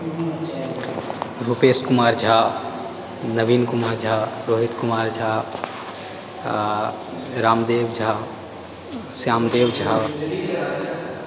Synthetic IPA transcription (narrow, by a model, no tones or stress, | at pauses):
ɾupeːskʊmaːɾd͡ʒʱaː | nəʋiːnkʊmaːɾd͡ʒʱaːɾoːɦɪt̪kʊmaːɾd͡ʒʱaː | ɾaːmd̪eːʋd͡ʒʱaː | sjaːmd̪eːʋd͡ʒʱa